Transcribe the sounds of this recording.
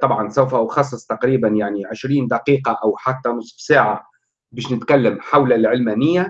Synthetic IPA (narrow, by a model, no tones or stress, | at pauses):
t̪ˤɑbʕɑnsæwfæʊxɑsˤːɨsˤt̪aqɾiːbænjaʕniʕeʃɾiːnd̪ɑqiːqɑʔæwħat̪ːænʊsˤfsaːʕa | bæːʃnɪt̪kælːæmħawlælʕɪlmæːnɪjːæ